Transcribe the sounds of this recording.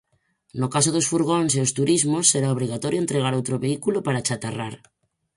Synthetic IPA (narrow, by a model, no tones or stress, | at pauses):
nokasoðosfuɾɣ̞onseost̪uɾizmosːeɾaoβ̞ɾiɣat̪oɾjoent̪ɾeɣ̞aɾowt̪ɾoβeikulopaɾat͡ʃat̪ara̰ɾ